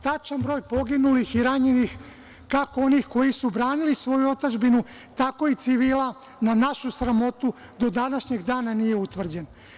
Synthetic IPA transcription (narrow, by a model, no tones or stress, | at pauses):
t̪at͡ʃanbɾo̞ːjpo̞ɡinulixiɾaɲenix | kakoo̞niːxko̞jisubɾaːnilisʋo̞juo̞t̪ad͡ʒbinu | t̪ako̞it̪siʋiːla | nanaʃusɾamo̞t̪u | d̪o̞d̪anaʃɲe̞ɡd̪aːnanije̞ut̪ʋr̩d͡ʑen